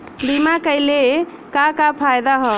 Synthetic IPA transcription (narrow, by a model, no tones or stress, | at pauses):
bimakəjle | kakapʰajd̪aɦɔ